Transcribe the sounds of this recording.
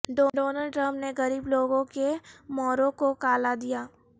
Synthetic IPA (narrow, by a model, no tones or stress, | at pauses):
ɖoːɖoːnəlɖ̚ʈɾə̃mpneɣɐɾiːbloːɡõkemɔːɾõkokaːlad̪ijaː